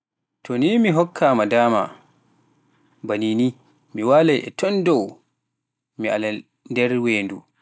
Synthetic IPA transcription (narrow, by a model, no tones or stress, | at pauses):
tʰɔnimiɦɔkʰːaːmadaːma̰ | banini | miwaːlajʔɛ̰tɔndɔw | mia̰la | ndɛɾweːndu